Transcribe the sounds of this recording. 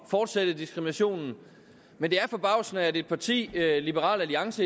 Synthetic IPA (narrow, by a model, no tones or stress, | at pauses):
fɒːd̥sed̥əd̥isɡ̥ʁiminæɕo̝̰ːnn̩ | mend̥e̝æɐfɒ̽b̥ɑ̈ʊ̰snəæde̝d̥̚pʰɑ̈t͡sʰḭːlibəʁɑ̰ːlæliɑ̈ŋsə